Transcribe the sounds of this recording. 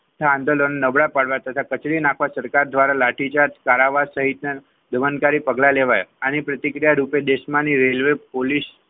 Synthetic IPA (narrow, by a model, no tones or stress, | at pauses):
t̪ʰaãnd̪əlonenəbɭapaɽʋat̪ət̪ʰakət͡ʃɽinakʰʋasəɾkaɾd̪ʋaɾalaʈʰit͡ʃat̪kaɾaʋasəɦit̪na | d̪əʋənkaɾipəɡlaleʋajanipɾət̪ikɾijaɾuped̪eʃmãniɾelʋepolis